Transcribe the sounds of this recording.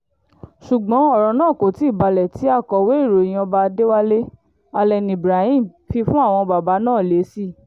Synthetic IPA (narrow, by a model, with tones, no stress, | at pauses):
ʃu˨ɡ͡bɔ̃˨˦ɔ˦˨ɾɔ̃˨nãː˦˨ko˨ti˨˦i˦˨ba˧lɛ˨ti˨˦a˦˨kɔ˨we˦i˦˨ɾo˨i˨j̃ĩ˦˧ɔ˧ba˧de˦wa˦le˦ | a˧lɛ˧nĩ˨bɾa˨˦ĩ˦mfi˧fũ˦a˦˨w̃ɔ̃˧ba˨ba˨˦nãː˦˨le˨˦si˦˨